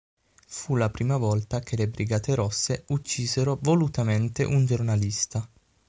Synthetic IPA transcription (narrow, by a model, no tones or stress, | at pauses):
fulapɾiːmavɔlt̪ak̟ʰelebɾiɡaːt̪eɾɔsːeut͡ʃːiːzeɾovolut̪ament̪ḛʔund͡ʒornalist̪a